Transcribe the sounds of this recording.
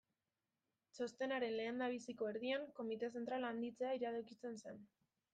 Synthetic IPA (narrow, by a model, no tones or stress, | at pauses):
so̞st̪e̞naɾe̞nle̞ːnd̪aβ̞isiko̞eɾð̞iaŋko̞mit̪ese̞nt̪ɾaland̪it͡se̞aiɾaðokit͡se̞nse̞n